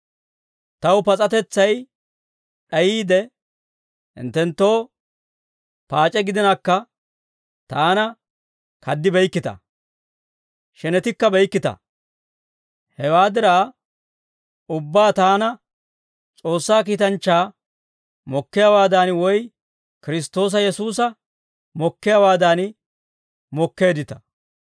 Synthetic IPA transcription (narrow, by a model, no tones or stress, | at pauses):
t̪ɐwpɐt͡sʼɐt̪ɛt͡sːɐj | ɗɐjiːd̪ɛ | hɪ̰nt̪ːɛnt̪ːo̞ː | paːt͡ʃʼɛɡɪd̪ɪnaːkːɐ | t̪aːnɐ | kʰɐd̪ːɪbɛjkːɪt̪ɐ̰ | ʃɛnɛt̪ɪkːɐbɛjkːɪt̪ɐ̰ | hɛwaːd̪ɪɾaː | ʊbːaːt̪aːnɐ | t͡sʼo̞ːsːaːkiːt̪ɐnt͡ʃːaː | mɔkːɪjawaːd̪aːnwɔj | kɪɾɪst̪o̞ːs̬ɐjɛsuːs̬ɐ | mɔkːɪjawaːd̪aːn | mɔkːe̞ːd̪ɪt̪ɐ̥̰